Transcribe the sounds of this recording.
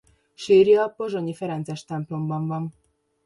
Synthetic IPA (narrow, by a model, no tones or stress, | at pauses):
ʃeːɾjiɒpːoʒoɲifɛɾɛnt̪zɛʃt̪ɛmplo̞mbɒɱvɒn